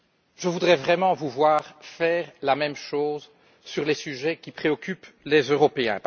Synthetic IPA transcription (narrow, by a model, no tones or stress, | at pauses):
ʒəvud̪ʁɛvʁɛmɑ̃vuvwaːʁfɛːʁlamɛmʃoːz | syʁlɛsyʒɛkʲipχeɔkʲʰyplezøʁɔpeɛ̰̃p